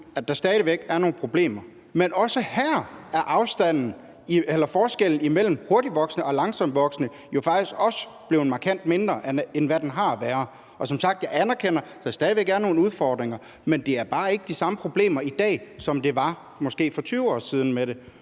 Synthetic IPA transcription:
æd̥ɑ̈sd̥ɛːðˠiʋeɡ̥æɐno̝ːn̩pʰʁo̝b̥le̝̰ːmɐ | menʔɒ̽səhæɐ̰æɐʔɑ̈ʊsd̥æn̰n̩ | ielɐfɒːsɡ̥eln̩imel̰m̩ho̝ɐɾiʋɒ̽ɡ̥snəɒ̽lɑ̈ŋsɒ̽m̰ʋɒ̽ɡ̥snə | jo̝fɑ̈ɡ̥̚d̥isɡ̥ɒ̽sə | b̥le̝ʊn̩mɑ̈kʰæn̰d̥me̝nd̥ʁɐʔenʋæd̥enɦɑ̈æʋæːɐ | ɒ̽sɒ̽msɑ̈ɡ̥̚d̥jɑ̈ɪænɐkʰen̰ɐsɒsd̥ɛːðiʋeɡ̥æɐno̝ːn̩uð̞ˠfɒ̰ːd̥ʁeŋɐ | mend̥e̝æɐb̥ɑ̈ːe̝ɡ̥əd̥isɑ̈məpʰʁo̝b̥le̝̰ːmɐid̥ɛ̰ːsɒ̽md̥e̝ʋɑ̈ | mɒ̽sɡ̥e̝̰ːfɒ̽t͡sʰyːʊɒ̰ːsið̞ˠn̩meɾe̝

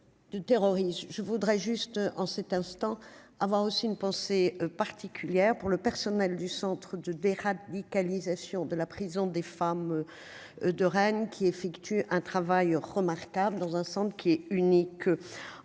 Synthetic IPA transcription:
d̪̥ət̪eʁɔʁismʒəvud̪ʁɛʒyst̪ɑ̃sɛt̪ɛ̃st̪ɑ̃ | avwaʁosiynpɑ̃sepaʁt̪ʰikʲʰyljɛʁpuʁləpɛʁsɔnɛld̪ysɑ̃t̪χəd̪əd̪eʁad̪ikalizasjɔ̃d̪əlapχizɔ̃d̪efam | d̪əʁɛnkʲʰiefɛkt̪ʰyʔɛ̃t̪χavajʁəmaʁkabləd̪ɑ̃zɛ̃sɑ̃t̪χəkʲʰiɛynik

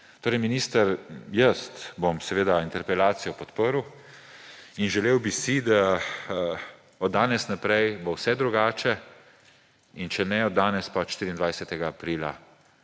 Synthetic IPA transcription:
t̪oːɾɛjminiːst̪əɾjəst̪bomsɛʋeːd̪aint̪ɛɾpɛlaːt̪sijɔpɔt̪pəɾw | inʒɛleːwbisid̪a | ɔd̪ːaːnɛsnapɾɛjbowsɛd̪ɾuɡaːt͡ʃɛ | int͡ʃɛnɛɔd̪ːaːnɛspaʃt̪iːɾind̪ʋajsɛt̪ɛɡaːpɾiːla̰

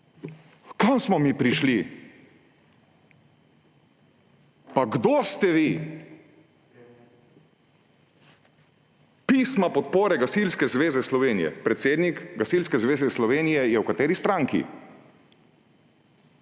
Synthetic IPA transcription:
kamsmɔmiːpɾiʃli | paɡd̪ost̪ɛʋi | piːsmapɔt̪poːɾɛɡasilskɛzʋeːzɛslɔʋeːnijɛ̰pɾɛt̪seːd̪nikɡasilskɛzʋeːzɛslɔʋeːnijɛjɛwkat̪eːɾist̪ɾaŋkḭ

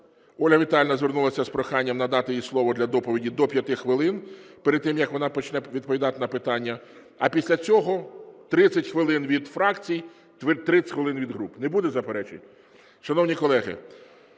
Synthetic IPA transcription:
ɔlʲɐʋʲit̪ɑlʲnɐzʋʲernulˠɐsʲɐspɾɔxɑnʲːɐmnɐd̪ɑt̪ɪjislˠɔʋɔd̪lʲɐd̪ɔpɔʋʲidʲid̪ɔpʲjɐt̪ɪxʋɪlˠɪnpɛɾɪd̪̚t̪ːɪmjɐkʋɔnɑpɔt͡ʃnɛʋʲid̪̚pɔʋʲid̪ɑt̪ɪnɐpɪt̪ɑnʲːɐ | ɐpʲisʲlʲɐt͡sʲɔɦɔt̪ɾɪt͡sʲːɐtʲxʋɪlˠɪnʋʲid̪fɾɑkt͡sʲij | t̪ʋɪt̪ɾɪxʋelˠɪnʋʲid̪ɦɾupnebud̪ɛzɐpeɾɛt͡ʃɪ̰tʲ | ʃɐnɔwnʲikɔlˠɛɦɪ̰

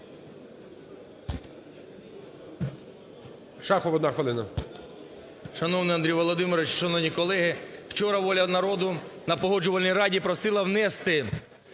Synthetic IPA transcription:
ʃɑxɔʋɔd̪naxʋɪlˠɪnɐ | ʃɐnɔwnɪjɐnd̪ɾijʋɔlˠɔd̪ɪmɪɾɔʋɪt͡ʃʃɐnɔwnʲikɔlˠɛɦɪw̥t͡ʃɔɾɐʋɔlʲɐnɐɾɔd̪ʊnɐpɔɦɔd͡ʒʊʋɐlʲnʲijɾɑdʲipɾɔsɪlˠɐwnɛst̪ɪ

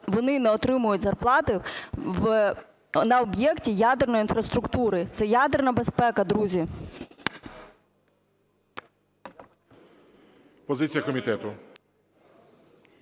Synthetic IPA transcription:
ʋɔnɪnɛɔt̪ɾɪmʊjʊtʲzɐrplˠɑt̪ɪʋ | nɐɔbjɛktʲijad̪ernɔjinfrɐst̪ɾʊkt̪uɾɪt̪sɛjad̪ernɐbespɛkɐd̪ɾuzʲi | pɔzɪt͡sʲijɐkɔmʲit̪ɛt̪ʊ

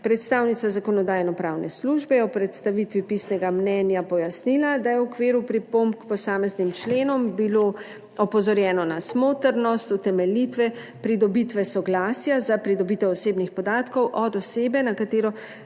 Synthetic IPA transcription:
pɾɛt̪st̪aːwnit̪sazakɔnɔd̪aːjnɔpɾaːwnʔɛsluʒbɛjɛɔpɾɛt̪st̪aʋit̪ʋipisnɛɡamnɛnjapɔjasnilad̪ajɛwɔkʋeːɾupɾipompkpɔsaːmɛznimt͡ʃleːnɔmbilo | ɔpɔzɔɾjɛːnɔnasmoːt̪əɾnɔst̪ut̪ɛmɛlit̪ʋɛ | pɾid̪ɔbit̪ʋɛsɔɡlaːsjazapɾid̪ɔbit̪ɛwɔseːbnixpɔd̪aːt̪kɔwʔɔd̪ɔseːbɛnakat̪eːɾɔ

